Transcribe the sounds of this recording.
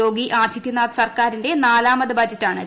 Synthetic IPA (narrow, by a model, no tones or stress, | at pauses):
o̞ːɡiʔaːd̪ʱjit̪ːinaːt̪sɐrkaːɾinde̞naːlaːmɐd̪ɐbaːd͡ʑɐtːaːɳɨ